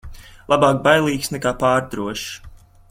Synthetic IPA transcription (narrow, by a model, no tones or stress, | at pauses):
lˠabɑːk̚bajlˠiːksnɛkaːpaːɾd̪ɾuɔʃ